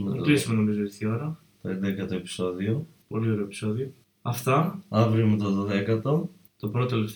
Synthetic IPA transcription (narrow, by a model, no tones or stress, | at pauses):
kɾisumenomizoist̪io̞ɾɐ | t̪oend̪ekɐt̪oepi̥so̞ðiopo̞lio̞ɾe̞opi̥so̞ðio̞ | ɐft̪ɐɐvɾimet̪oðoðekɐt̪o̞ | t̪o̞pɾotoeleft̪